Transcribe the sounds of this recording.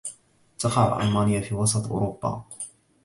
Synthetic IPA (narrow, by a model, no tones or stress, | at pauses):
t̪ɑqɑʕ̰ʔa̰lmaːnɪjafiːwɑsˤɑt̪ˤʔʊ̰ːɾʊbːa̰